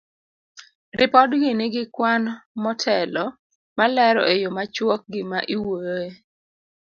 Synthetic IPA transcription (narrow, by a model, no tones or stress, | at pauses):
rɪpɔdɡɪnɪɡɪkwanmɔtʰɛlɔ | malɛɾɔ̰ejomat͡ʃwɔk̚ɡɪmaʔiwoje